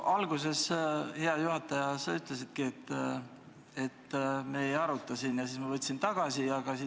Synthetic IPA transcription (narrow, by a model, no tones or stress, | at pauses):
ɑlɡ̥use̞she̞ɑjuhɑt̪ːˑɑjɑsɑyt̪ˑlesid̪̥̚kiet̪ː | e̞t̪ːmejɑɾut̪ˑːɑsinjɑsiːsmɑvɤt̪ʲːsint̪ɑɡ̥ɑsiɑɡ̥ɑsi